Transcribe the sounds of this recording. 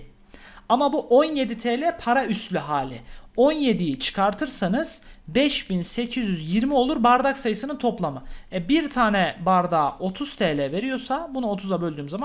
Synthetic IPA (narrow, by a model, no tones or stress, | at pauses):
amabuʔo̞nje̞d̪it̪ʰɛːlʲɛpʰaɾayst̪lʲyɦaːlʲɪ̰o̞nje̞d̪ijit͡ʃʰɯ̥kʰaɾt̪ʰɯɾsanɯz̥bɛʃbinse̞cʰizjyzjiɾmio̞lˠuɾbaɾd̪aksajɯsɯnɯnt̪ʰo̞plˠamɯɛbiɾt̪ʰaːnɛbaɾd̪aːʔo̞t̪ʰuz̥t̪ʰɛːlʲɛve̞ɾijo̞sabunuo̞t̪ʰuzabølʲd̪yːmzama